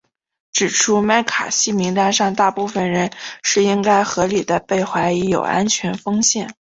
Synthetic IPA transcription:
ʈ͡ʂɻ̩˨˩ʈ͡ʂʰu˥ma˥˩ɪkʰa̰˨˩ɕi˥˩mi˧˥ŋt̪a˥˧ʂɑ˥˧ŋt̪a˥˧pu˥˩fə˨˩nɻə˧˥nʂɻ̩˥˩i˥ŋka˥ɪxɤ˧˥li˨˩d̪ə˦pe˥˩ɪxwa˧˥ɪi˧˥jo̰˨˩ʊa̰˥nt͡ɕʰɥɛ˧˥nfɤ˥ŋɕjɛ˥˩n

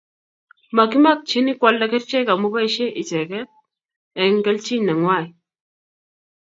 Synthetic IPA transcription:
ma˨ki˦ma˦˨k̚t͡ʃi˦ni˦kwa˦lːa˦kɛ˦ɾt͡ʃɛ˦ka˨mu˦ba˦i˦ʃɛ˦ʔi˨t͡ʃɛ˨kɛ˦t̚ | ɛ˨ŋɡɛ˦lt͡ʃi˦na˨ŋwa˦˨i˨

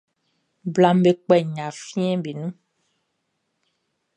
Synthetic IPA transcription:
bla˨m˦be˨k͡pɛ˨ɲã˨fĩ˦ɛ̃˦be˨nũ˦

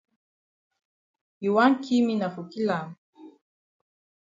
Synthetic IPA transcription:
i˨wa˦ŋ˦kʰi˦mi˦na˨fu˨ki˦la˨m

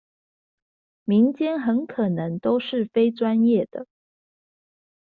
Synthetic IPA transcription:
mi˧˥ŋt͡ɕjɛ˥nxə˧˥nkʰɤ˨˩nɤ˧˦˥ŋt̪o˥ʊʂɻ̩˥˩fe˥ɪʈ͡ʂwa˥njɛ˥˩d̪̥ə˩

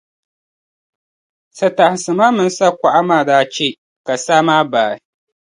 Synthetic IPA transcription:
sɐ˨ta˨hsɨ˨maː˦mɨ˦n˦sa˦kʷa˨ʔa˦maː˦˨da˦t͡ʃe˦ | ka˨saː˦maː˦baː˨ɪ˨˦

